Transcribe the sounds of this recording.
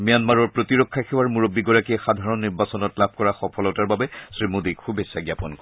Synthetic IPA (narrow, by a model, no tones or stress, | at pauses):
mijanmaɹɔɹpɹotiɹɔkʰːaxewaɹmuɹobːiɡɔɹakiɛxad̪ʱaɹɔnːiɹbasɔnɔtlab̚ʱkɔɹaxɔpʰɔlɔtaɹbabɛsɹimud̪ikxʰubesːaɡjapɔnkɔɛ